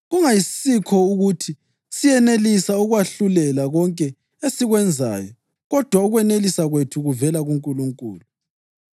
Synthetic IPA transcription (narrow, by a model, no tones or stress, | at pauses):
ɣuŋajissikʰɔuɣutʰi | sijɛnelisauɣwaɬulɛlaɣɔŋkʼɛ | esiɣwɛnd͡zʱa̰ːjɔ | ɣɔd̥ʱwauɣwɛnelisaɣwetʰuɣuvɛlaɣuŋkʼuluŋkʼṵːlu